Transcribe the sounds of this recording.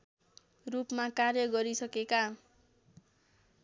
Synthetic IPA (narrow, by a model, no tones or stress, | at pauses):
rupmakarjʌɡʌɾisʌkeka